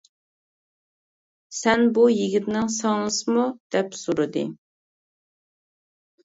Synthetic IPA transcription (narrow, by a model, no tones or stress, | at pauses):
sɛnbujiɡʲit̪nɪŋsɑŋlˠɨsɨmud̪̥ɛpsuɾɨd̪ɨ̰